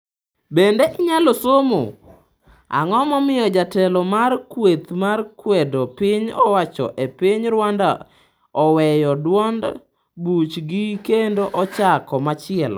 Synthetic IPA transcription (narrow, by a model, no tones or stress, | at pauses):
bendeʔɪɲalosomo̰ | a̰ŋɔmɔmɪjɔd͡ʒatɛlɔmarkwet̪markwedopɪɲɔwat͡ʃɔ̰ʔepɪɲɾwanda̰ | ɔwɛjɔdwɔnd | but͡ʃɡikendoʔɔt͡ʃakɔmat͡ʃɪɛl